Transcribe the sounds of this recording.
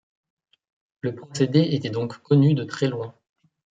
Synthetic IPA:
ləpχɔsed̪eet̪ɛd̪ɔ̃kːɔnyd̪ət̪χɛlwɛ̃

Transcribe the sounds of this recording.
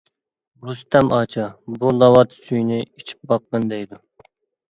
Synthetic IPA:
ɡust̪ʰɛmʔɑːt͡ʃʰɑbulɑwɑt̪ʰsyjnɪit͡ʃʰi̥p̚bɑqːənd̪ɛjd̪u

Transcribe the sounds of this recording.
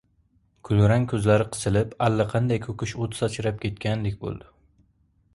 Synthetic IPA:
kʰʊlɾaŋkʲʰɵzlaɾɪqʰɨ̥sɪlɪpalːaqʰɑnd̪ajkʲʰɵkʲɪʃot̪ʰsɑt͡ʃʰɪɾap̚kʲʰe̞t̪̚kʲand̪ɪkʲbo̰lˠd̪ɪ

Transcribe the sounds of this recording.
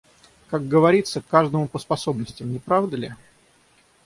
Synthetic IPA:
kaɡɡəvɐɾʲit̪səkːaʐd̪əmʊpəspɐso̞bnəsʲtʲɪmnʲɪpɾavd̪əlʲɪ

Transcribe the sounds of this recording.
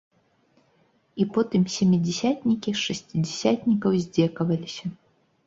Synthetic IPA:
ipɔt̪ɨmsʲemʲid͡zʲɪsʲat̪ʲnʲikʲiʂɨsʲt͡sʲidʲɪsʲat̪ʲnʲikɐwzʲd͡zʲɛkɐvɐlʲisʲɐ

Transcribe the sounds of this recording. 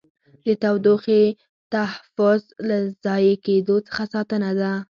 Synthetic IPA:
d̪ət̪awd̪oxe | t̪ahafʊzlazɑjeked̪ot͡sə̥xasɑt̪ənad̪a

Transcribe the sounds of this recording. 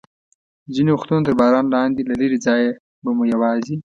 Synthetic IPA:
ziniʊxt̪unot̪əɾbɑːɾɑːnlɑːnd̪ilaleɾid͡zɑje | bamujawɑːzi

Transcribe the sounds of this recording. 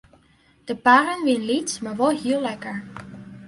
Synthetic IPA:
d̥əpaːɾənʋɪnlitsmaːɹʋɔlˠɦiːlːɛkəɹ

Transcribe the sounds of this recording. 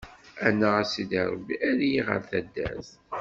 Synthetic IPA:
ænːəæsid̪æɾˤbiæljiʁə̰ɾθæd̪ːæ̰s

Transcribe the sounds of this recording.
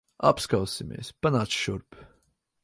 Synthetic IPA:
a̰pskawsimʲḛːspanaːt̪sʃuɾp

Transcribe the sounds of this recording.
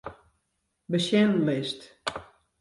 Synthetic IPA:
bəʃɛnlɪst

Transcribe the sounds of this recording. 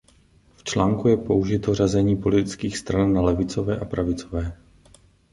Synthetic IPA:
ft͡ʃlaːŋkujɛpo̞uʒɪt̪o̞razɛɲiːpo̞lɪt̪ɪt͡skiːxst̪ɾanːalɛvɪt͡so̞vɛːʔapɾavɪt͡sovɛː

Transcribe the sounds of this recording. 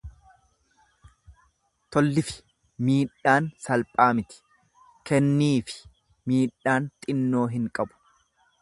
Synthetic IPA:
t̪ɔlːɪfɪ̥ | miːᶑaːnsɐlpʼaːmɪt̪ɪ̥ | kɛnːiːfɪ̥ | miːɗaːnt̪ʼɪnːo̞ːɦɪŋkʼɐbʊ̥

